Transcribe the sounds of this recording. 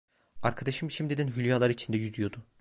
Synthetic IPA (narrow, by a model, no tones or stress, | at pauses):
aɾkʰad̪aʃɯmʃimd̪id̪ɛnɦylʲjalˠaɾɯit͡ʃʰind̪ɛjyzyjo̞d̪ʊ